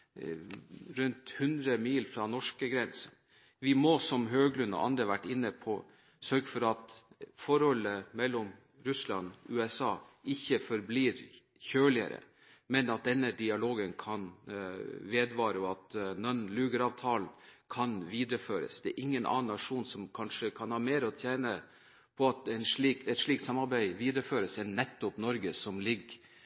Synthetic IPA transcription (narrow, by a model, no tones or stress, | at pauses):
ɾʉnt̪hʉnd̪ɾəmiːlfɾɑnɔʂkəɡɾɛnsən | ʋɪmɔsɔmɦøːɡlʉnːɔ̰ʔɑ̰nd̪ɾəʋæʈːɪnːəpʰɔ | sœɾɡəfɔɾɑt̪fɔɾhɔlːəmɛlːɔm | ɾʉslɑnʉːɛsɑːɪçːəfɔɾbliːɾ | çøːlɪə̰ɾə̰ | mɛnɑt̪̚d̪ɛnːəd̪ɪɑloːɡənkʰɑn | ʋeːd̪ʋɑːɾəɔɑt̪nɔnlʉːɡəɾɑːʋt̪ʰɑːlnkʰɑnʋiːd̪ɾəføːɾə̰sd̪ɛæːɾʔɪŋːənʔɑ̰ːnːɑʂuːnsɔmkʰɑnʂəkʰɑnhɑːɾmeːɾəɔt̪ʰjæːnə | pʰɔɑt̪ɛɪnʂliːkɛt̪ʂɭiːk̚t̪sɑmːɑɾbæɪʋiːd̪ɾəføːɾəsɛnnːɛt̪ːɔpnɔɾɡəsɔmlɪɡ